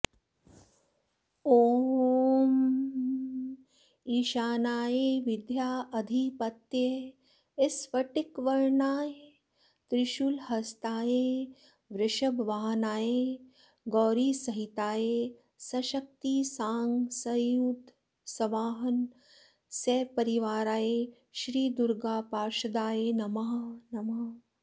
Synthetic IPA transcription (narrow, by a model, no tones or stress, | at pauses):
oː | m | iːʃaːnaːjeʋid̪ʱjaːʔɐd̪ʱipɐt̪je | esʋɐʈikʋɐɾɳaːje | t̪ɾɪʃulhɐst̪aːjeː | ʋɾɪʃɐbʋaːɦnaːjeː | ɡɔːɾiːsɐɦit̪aːjeː | sɐʃɐk̚t̪iːsaːŋɡsɐjuːd̪ | sɐʋaːɦɐn | seːpɐɾiʋaːɾaːjeː | ʃɾiːd̪uɾɡaːpaːɾʃɐd̪aːjeːnɐmaːnɐma